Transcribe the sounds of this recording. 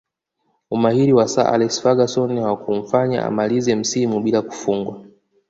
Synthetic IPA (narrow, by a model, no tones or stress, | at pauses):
umahiɾiwasa̰ʔa̰lɛsfaɡasɔniwakum̩faɲa̰ʔa̰malizɛm̩simuɓilaku̥fuŋɡwa